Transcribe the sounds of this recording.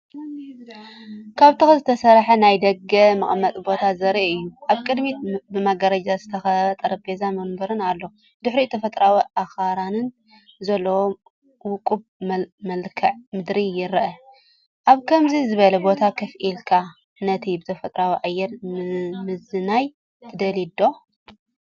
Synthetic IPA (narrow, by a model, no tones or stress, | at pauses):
kʰaβt̪ʰɨxɨzɨt̪ʰɐsɐɾħɐnajd̪ɐɡɐmɐχʼmɐt̪ʼbo̞t̪ʰazɐɾiɨjːuʔaβkʼɨd̪mibɨmaɡɐɾɐd͡ʒazɨt̪ʰɐxɐt̪ʼɐɾɐpʰezamɐmbɐɾɨnalːo | d̪ɨħɾit̪ʰɐfɐt̪ʼɾawiʔaxaɾanɨn | zɐlːɐwo | wʊkʼubmmɐlkʰɐʕmɨd̪ɾijɪɾʔɐ | ʔaβkʰɐmzizɨβɐlɐbo̞t̪ʰakʰɐfʔilkʰa | nɐt̪ʰibɨt̪ʰɐfɐt̪ʼɾawiʕajːɛɾmɨzɨnaj | t̪ʰɨd̪ɐlid̪o̞